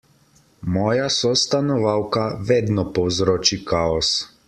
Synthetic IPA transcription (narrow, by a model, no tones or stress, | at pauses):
mɔːjasɔst̪anɔʋaːwkaʋeːd̪nɔpɔwzɾoːt͡ʃikaɔs